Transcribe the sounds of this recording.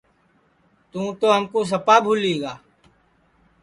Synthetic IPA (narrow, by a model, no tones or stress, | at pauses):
t̪ũːt̪oɦəmkos̬əpaːbʱuːliːɡaː